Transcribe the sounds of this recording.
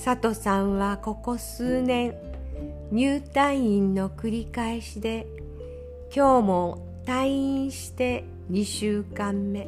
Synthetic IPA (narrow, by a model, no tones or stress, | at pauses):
sat̪o̞sãɰ̃βako̞ko̞sɨːnẽ̞ɰ | ɲɨːt̪ãɰ̃ĩnːo̞kɯ̟ɾʲikaeɕid̪e̞ | kʲo̞ːmo̞ | t̪ãĩɰ̃ɕi̥t̪e̞ | ɲ̟iɕɨːkãmːe̞